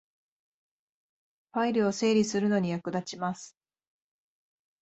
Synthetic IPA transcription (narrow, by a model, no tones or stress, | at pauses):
ɸaiɾɯ̟o̞se̞ːɾʲisɨɾɯ̟no̞ɲ̟ijakɯ̟d̪at͡ɕimasɨ̥